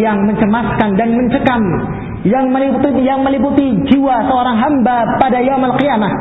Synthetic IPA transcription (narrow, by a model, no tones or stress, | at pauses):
jaŋməɲt͡ʃəmaskandanməɲt͡ʃəkam | jaŋməlijaŋməliput̪id͡ʒiwasəoɾaŋɦambapadajamalkiamat̪